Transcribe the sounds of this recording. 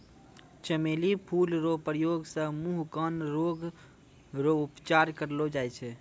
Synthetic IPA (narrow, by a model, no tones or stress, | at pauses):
t͡ʃəmelipʰulɾopɾəjoɡsə̃muɦkənɾoɡ | ɾoupt͡ʃaɾkəɾlod͡ʒajt͡ʃʰɛ